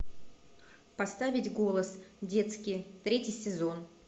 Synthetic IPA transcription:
pɐst̪avʲɪtʲɡo̞lˠəsdʲe̞t̪skʲɪjt̪ɾʲetʲɪjsʲɪzo̞n

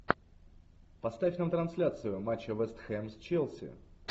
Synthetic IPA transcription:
pɐst̪afʲnamt̪ɾɐnsʲlʲat̪sɨjʊmat͡ɕːəvɛst̪xɛmsʲt͡ɕelˠsʲɪ̰

